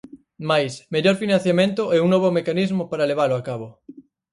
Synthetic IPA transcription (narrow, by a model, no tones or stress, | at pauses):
majsmeʎoɾfinãn̟θjamẽnt̪ʊʔɛuŋnɔβ̞omekanizmopaɾaleβ̞aloakaβ̞o